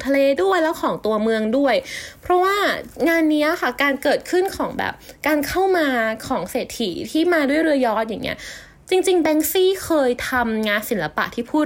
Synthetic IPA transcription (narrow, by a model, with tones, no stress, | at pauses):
t̪ʰa˧leː˧du˥˩əjlɛː˦˥wkʰɔː˩˦ŋt̪u˧ɐmɯ˧əŋdu˥˩əjpʰɾɔ˦˥waː˥˩ŋaː˧nːiː˦˥ɐ˨˩xa˥˩kaː˧nkɤː˨˩t̪̚kʰɯ˥˩nkʰɔː˩˦ŋbɛ̰ː˨˩p̚kaː˧nkʰa˥˩wmaː˧kʰɔː˩˦ŋseː˨˩t̪ʰːiː˩˦t̪ʰiː˥˩maː˧du˥˩əjɾɯ˧ɐjɔː˦˥t̪̚ja˨˩ŋːḭ˦˥ɐ | t͡ɕi˧ŋt͡ɕi˧ŋbɛː˦˥ŋsiː˥˩kʰɤː˧jt̪ʰa˧mŋaː˧nsi˩˦nla˧pa̰˨˩ʔt̪ʰiː˥˩pʰuː˥˩